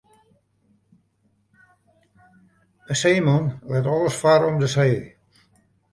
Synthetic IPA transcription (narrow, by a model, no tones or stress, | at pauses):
əseːmɔnlɛtɔlˠəsfaɾɔmdəseː